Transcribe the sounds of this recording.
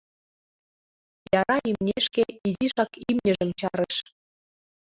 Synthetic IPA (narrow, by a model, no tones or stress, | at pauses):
jɑɾɑimnʲeʃkeiziʃɑkimnʲə̆ʒə̆mt͡ɕɑɾəʃ